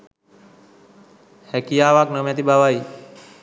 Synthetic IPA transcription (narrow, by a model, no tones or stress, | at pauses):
hɛːkijaːʋaːknəmẽt̪iːɓaːʋaːiː